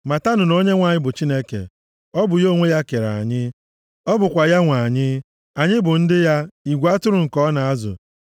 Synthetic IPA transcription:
ma˨ta˦nʊ˨no˦ɲe˦ŋʷa˨ɲɪ˦bʊ˨t͡ʃi˦ne˦kḛ˨ | ɔ˦bʊ˨jo˦ŋʷe˦ja˦ke˨ɾa̰˨a˨ɲɪ˦ | ɔ˦bʊ˨kʷa˨ja˦ŋʷa˨ɲɪ˦ | a˨ɲɪ˦bʊ˨n̩˦dɪ˦ja˦i˨ɡʷa˦tʊ˦ɾʊ˨ŋ̩˨kɔ˦na˨a˦zʊ̰˨

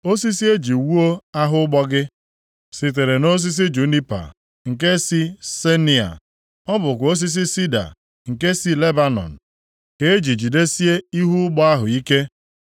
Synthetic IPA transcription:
o˦si˦si˦e˦d͡ʒi˨wu˦o˦a˦ɦʊ˦ʊ˦ɡ͡bɔ˦ɡɪ˦ | si˨t̬e˨ɾe˨no˦s̬i˦s̬i˦d͡ʒu˨˦ni˦pa̰˨ | ŋ̩˨ke˦si˦se˦ni˨a̰˨ | ɔ˦bʊ˨kʷo˦s̬i˦s̬i˦si˦da̰˨ | ŋ̩˨ke˦si˦le˦ba˦nɔ̰˨n̩˨ | ke˨e˦d͡ʒi˨d͡ʒi˨de˦si˦e˦i˦ɦu˦ʊ˦ɡ͡bɔ˦a˦ɦʊ˨i˦ke˦

